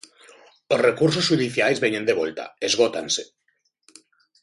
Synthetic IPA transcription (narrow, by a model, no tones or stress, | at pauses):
osrekuɾsosʃuðiθjajzβeɲend̪eβ̞olt̪a̰ezɣot̪a̰nse̥